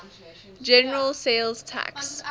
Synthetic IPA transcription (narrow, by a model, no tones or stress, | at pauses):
d͡ʒɛnəɹəlˠseɪlztʰa̰ks